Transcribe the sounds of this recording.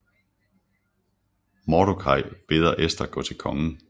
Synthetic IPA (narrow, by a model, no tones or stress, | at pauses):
mɒɾokʰɑ̈ɪ̰b̥e̝ːð̞ˠɐʔesd̥ɐɡ̥ɔ̽ːt͡sʰe̝lkʰɒ̽ŋn̩